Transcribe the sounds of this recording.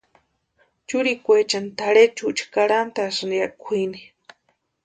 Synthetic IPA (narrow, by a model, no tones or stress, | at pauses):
t͡ʃuɾikʷet͡ʃant̪aɾet͡ʃut͡ʃḁkaɽant̪asniakʷʰini